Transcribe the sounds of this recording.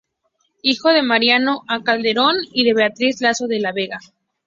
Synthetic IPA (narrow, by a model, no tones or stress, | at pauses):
ixo̞ðe̞maɾjano̞ʔakald̪e̞ɾo̞niðe̞βe̞at̪ɾizlasoðe̞laβeɣa